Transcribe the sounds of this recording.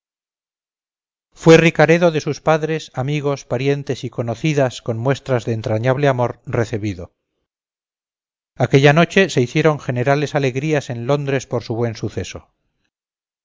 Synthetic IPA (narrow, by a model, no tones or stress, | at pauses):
fwe̞rikaɾe̞ðo̞ðe̞suspaðɾe̞samiɣo̞spaɾje̞nt̪e̞siko̞noθiðasko̞nmwe̞st̪ɾazðeːnt̪ɾaɲaβleamo̞ɾre̞θiβ̞iðo̞ | ake̞ʎano̞t͡ʃe̞se̞iθje̞ɾo̞ŋxe̞ne̞ɾale̞sale̞ɣɾiase̞nlo̞nd̪ɾe̞spo̞ɾsuβwe̞nsuθe̞so̞̰